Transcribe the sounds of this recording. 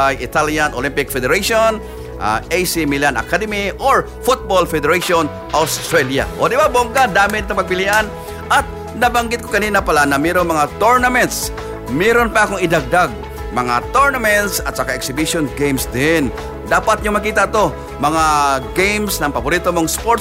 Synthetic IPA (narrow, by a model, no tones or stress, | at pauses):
ajʔɪt̪aljanʔolimpɪk̚fɛd̪ɛɾaʃon | ʔa̰ʔejsimilana̰kad̪ɛmiʔoɹ | fʊt̪̚bolfɛd̪ɛɾaʃon | ʔawst̪ɾɛlja̰ʔod̪ɪbaboŋɡad̪aːmɪnt̪ɐŋpɐɡ̚pɪliʔan | ʔat̪̚ | nɐbɐŋɡɪt̪kokɐniːnapɐlanɐmɛɾoŋmɐŋat̪oɹnɐmɛnt̪s | mɛɾonpaɐkoŋɪd̪ɐɡ̚d̪aɡ̚ | mɐŋa̰t̪oɹnɐmɛnt̪sɐt̪̚t͡ʃɐkaʔɛksɪbiʃonɡejmsd̪ɪn | d̪aːpat̪̚ɲoŋmɐkiːt̪at̪o̞ | mɐŋaɡejmsnɐŋpɐboɾiːt̪omoŋspo